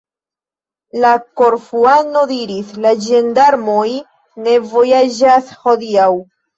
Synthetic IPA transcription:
lako̞ɾfuano̞diɾislad͡ʒe̞ndaɾmo̞j | ne̞vo̞jad͡ʒasho̞diaw

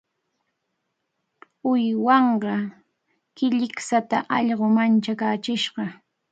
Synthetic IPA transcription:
ʊjwɑɴɢɑ | kɪʎɪksat̪aʔɑʎɢomant͡ʃakaːt͡ʃɪʃɢɑ

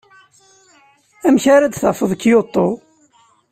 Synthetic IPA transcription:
æmçaɾad̪θɑfəðˤəkːjot̪ˤːo

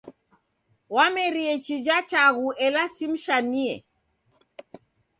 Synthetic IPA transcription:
wamɛɾiɛt͡ʃid͡ʒat͡ʃaɣuʔɛlasim̩ʃaniɛ̰

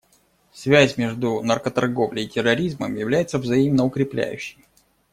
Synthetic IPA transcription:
svʲæzʲmʲe̞ʐd̪unɐrkət̪ɐrɡo̞vlʲɪjɪtʲɪrːɐɾʲizməmjɪvlʲæjɪt̪səvzɐimnəʊkɾʲɪplʲæ̰jʉ̰ɕːɪj

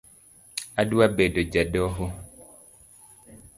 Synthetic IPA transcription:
aduabedod͡ʒadɔɦo

